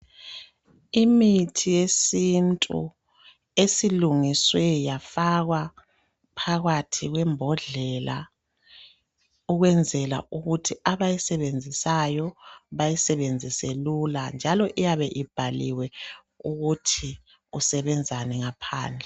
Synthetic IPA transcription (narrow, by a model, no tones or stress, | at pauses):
imitʰijesintʼṵ | esiluŋiswɛjafaɣwa | pʰaɣatʰiɣwɛmbʱɔɮɛla̰ | uɣwɛnd͡zʱɛla̰uɣutʰiaβajisɛβend͡zʱisajɔβajisɛβend͡zʱiseluland͡ʒʱalɔʔijaβɛʔib̥ʱaliwɛ | uɣutʰi | usɛβɛnd͡zʱanɛŋapʰa̰ːnd͡ɮʱɛ